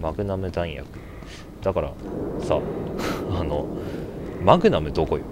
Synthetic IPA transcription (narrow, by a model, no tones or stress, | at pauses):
maɡɯ̟namɯ̟d̪ãɰĩja̰kɯ̟ | d̪̥akaɾa̰sa̰ | ano̰ | makɯ̟namɯ̟d̪oːkojo